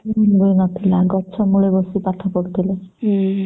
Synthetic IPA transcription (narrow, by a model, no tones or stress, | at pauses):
bojnɔt̪ʰilaɡɔt͡ʃʰɔmuɭebosipat̪ʰɔkoɾt̪ʰile